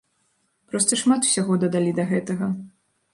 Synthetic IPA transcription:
pɾɔst̪ɐʂmat̪w̥sʲaɣɔd̪ɐd̪alʲid̪ɐɣɛt̪ɐɣɐ

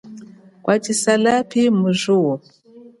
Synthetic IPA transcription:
kwʔat͡ʃisalapʰimuʒuɔ

